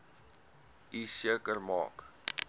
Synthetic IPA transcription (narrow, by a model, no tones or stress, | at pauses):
isiəkərmɑ̰ːk